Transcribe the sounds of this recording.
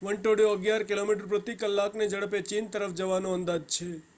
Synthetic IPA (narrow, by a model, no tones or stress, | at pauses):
ʋəɳʈoɽjoəɡjaɾkilomiʈəɾpɾət̪ikəlːakned͡ʒəɽəpet͡ʃint̪əɾəfd͡ʒəʋanoə̃nd̪ad͡ʒt͡ʃʰe